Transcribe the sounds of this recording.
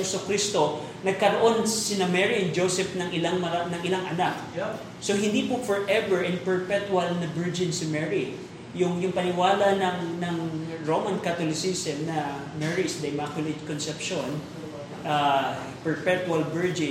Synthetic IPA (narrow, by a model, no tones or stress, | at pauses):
sokɾist̪o̞ | nɐɡ̚kɐɾoʔo̞nsɪnamɛɹind͡ʒosɛpnɐŋʔɪlaŋmɐanɐŋɪlaŋʔɐnak̚ | sohɪnd̪ipʊfɔɹʔɛvɛɹʔɪnpɛɹpɛt̪wɐlnɐbɛɹd͡ʒɪnsɪmɛɹi | jʊŋjʊŋpɐnɪwaːlɐnɐŋnɐŋɹomɐnkɐt̪olɪsisɛmnɐ | mɛɹisd̪ɐjmakjʊlɪt̪konsɛpʃon | ʔa | pɛɹpɛt̪wɐlbɛɹd͡ʒɪ